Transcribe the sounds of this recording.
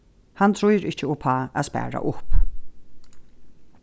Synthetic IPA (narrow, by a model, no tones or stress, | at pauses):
hant̪ʰɾʊjɾɪht͡ʃəɔːpʰaːa̰ðspæ̰ːɹa̰ʔʊp